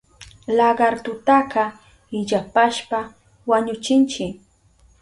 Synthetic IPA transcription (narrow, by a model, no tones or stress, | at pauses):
laɢɑɾt̪ʊt̪aqɑ | ɪʎapaʃpa | waɲʊt͡ʃɪnt͡ʃɪ